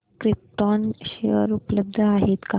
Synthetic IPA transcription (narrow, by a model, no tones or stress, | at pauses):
kɾip̚ʈɔnɕeʋəɾupləb̚d̪ʱəaɦet̪ka